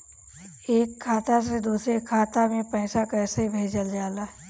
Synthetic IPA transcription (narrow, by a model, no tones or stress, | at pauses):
eːkʰːaːt̪ased̪uːsɾekʰaːt̪amẽpɛːsakɛːsebʱeːd͡ʒəld͡ʒaːlaː